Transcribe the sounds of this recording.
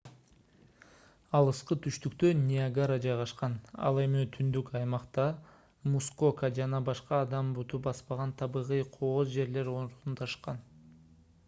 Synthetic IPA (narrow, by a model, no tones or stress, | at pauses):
ɑlˠɯsqɯt̪ʰyʃt̪ykt̪ønʲɪaɡaɾɑd͡ʒɑjʁɑʃqɑnɑ̰lˠe̞mit̪ʰynd̪ykɑjmɑqt̪ɑ | muskokad͡ʒɑnɑbɑʃqɑːd̪ɑmbut̪up̚bɑspɑʁɑnt̪ʰɑβɯʁɯjqʰoozd͡ʒe̞ɾle̞ɾonɾt̪unt̪ʰɑʃqɑn